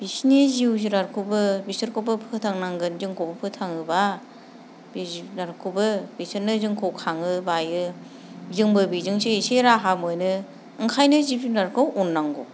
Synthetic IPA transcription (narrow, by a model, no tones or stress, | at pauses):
b̥isneziwziɾaɾkʰɯbɯbisɯɾkʰowbɯpʰɯtʰaŋnaŋɡɯnziŋkʰowbɯpʰɯtʰaŋɯba | biziɾaɾkʰubɯbisɯɾnɯzɯŋkʰowkʰaŋɯbajɯ | zɯŋbɯbizɯŋseseɾaɦamojnɯ | ɯŋkʰajnɯzipiɾaɾkʰɯwonːaŋɡo